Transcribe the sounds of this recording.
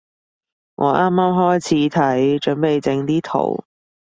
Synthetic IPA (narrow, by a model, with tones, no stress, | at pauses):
ŋʔɔ̰ː˨˧ʔaː˥maː˥mɦɔː˥jt͡sʰiː˨˥t̪ʰɐ˨˥jt͡ʃɵ˨˥npe˨˧jt͡sɪ˧ŋt̪iː˥t̪ʰo̰˨˩w